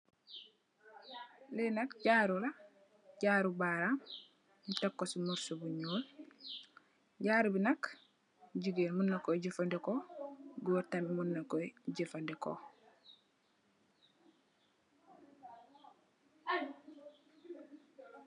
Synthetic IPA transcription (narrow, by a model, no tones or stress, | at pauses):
lenɐkɟaːɾula | ɟaɾubaɾam | takːosumuɾsubuɲuːl | ɟaːɾubinak | ɟiɡeːnmunːakoɟifandekoɡuwuɾtamimunːakojɟifandeko̰